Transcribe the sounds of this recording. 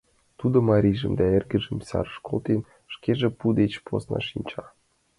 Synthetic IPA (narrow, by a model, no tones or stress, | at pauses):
t̪ud̪ŏmɑɾʲiʒə̆md̪ɑerɡə̆ʒə̆msʲɑ̰ɾʃkolˠt̪en | ʃkeʒĕpud̪et͡ɕpo̰snɑ̰ʃinʲt͡ɕɑ